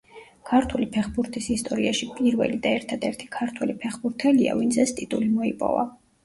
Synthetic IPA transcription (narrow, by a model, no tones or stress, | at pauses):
kʰaɾt̪ʰulipʰɛχbuɾt̪ʰisist̪ʼɔɾiaʃipʼiɾvɛ̰lid̪aɛɾt̪ʰad̪ɛɾt̪ʰi̥kʰaɾt̪ʰwɛlipʰɛχbuɾt̪ʰɛlia̰vint̪sʰɛst̪ʼit̪ʼulimɔipʼɔ̰va̰